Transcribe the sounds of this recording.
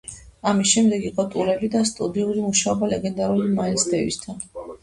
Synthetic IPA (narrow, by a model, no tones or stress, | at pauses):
amisʃɛmd̪ɛɡiqʼɔt̪ʼulɛbid̪ast̪ʼud̪iuɾimuʃaɔbalɛɡɛnd̪aɾulimailsd̪ɛvḭst̪ʰan